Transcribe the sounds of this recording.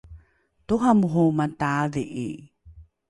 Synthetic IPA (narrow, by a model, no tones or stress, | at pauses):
tuɦamuɦumataðiʔi